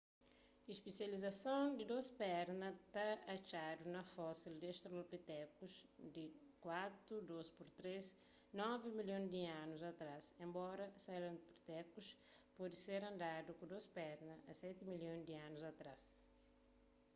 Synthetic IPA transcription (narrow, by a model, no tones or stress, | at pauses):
iʃpisjɐlizɐsɐ̃w̃d̪id̪ospɛɾnɐt̪aːt͡ʃad̪unɐfɔsild̪ɛʃt̪ɾolpit̪ɛkusd̪ikwat̪ɾud̪ospuɾt̪ɾes | nɔvimiljõñd̪iãnuzɐt̪ɾasẽmbɔɾɐsalopɾt̪ɛkuspɔd̪iseɾɐ̃nd̪ad̪ukud̪ospɛɾnɐɐsɛt̪imiljõj̃d̪iãnuzɐt̪ɾas